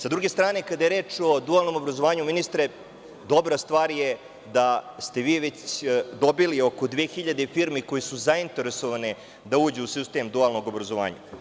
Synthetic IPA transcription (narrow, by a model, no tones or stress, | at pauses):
sad̪ɾuɡest̪ɾaːnekad̪ajeɾeːt͡ʂo̞d̪ualˠno̞mo̞bɾazoʋaːɲuminist̪ɾe | d̪o̞bɾast̪ʋaːɾje | d̪ast̪e̞ʋiːʋe̞t͡ɕd̪o̞bilio̞kod̪ʋeːxiʎad̪efiɾmiko̞jesuzaint̪e̞ɾesoʋane | d̪auːd͡ʑuusist̪eːmd̪ualˠno̞ɡo̞bɾazo̞ʋa̰ːɲa̰